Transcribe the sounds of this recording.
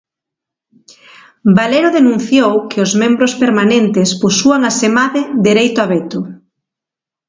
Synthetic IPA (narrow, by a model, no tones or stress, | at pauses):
baleɾoðenũn̟θjowkʰɪozmembɾospeɾmanẽnt̪ɪspusuaŋasemaðed̪eɾejt̪oaβet̪ʊ